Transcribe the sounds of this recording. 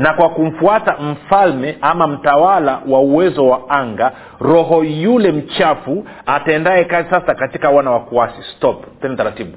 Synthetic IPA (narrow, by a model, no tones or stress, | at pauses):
nakwakum̩fuatam̩falmɛʔamam̩tawalawauwɛzɔwaaŋɡa | ɾɔɦɔjulɛm̩t͡ʃafu | ataɛndaɛkazisasakatikawanawakuasistɔppɛndataɾatiɓu